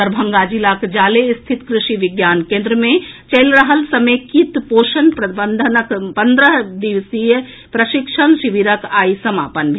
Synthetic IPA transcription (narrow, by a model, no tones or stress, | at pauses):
əɾbʱə̃ŋɡaːd͡ʒilakd͡ʒaːlest̪ʰɪt̪kɾɪʃiʋɪɡjaːnkẽːnd̪ɾəmẽt͡ʃəɪlɾəɦəlsɐmeːkit̪poːʃənpɾɐbənd̪ʱənəkpɐnd̪ɾəɦd̪iʋsijə | pɾɐʃɪkʃənʃiʋiɾəkaːisɐma̰ːpənbʱ